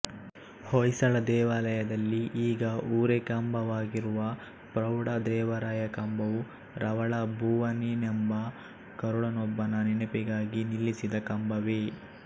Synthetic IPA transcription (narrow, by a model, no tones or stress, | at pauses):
hojsɐɭɐd̪ɛːʋaːlɐjɐd̪ɐlːiʔiːɡɐʔuːɾekɐmbɐʋaːɡiɾuʋɐ | pɾɐwɽɐd̪ɾɛːʋɐɾaːjɐkɐmbɐʋu | ɾʔɐʋɐɭɐbʱuːʋɐninembɐ | kɐɾuɽɐnɔbːɐnɐninɐpiɡaːɡinilːisid̪ɐkɐmbɐʋe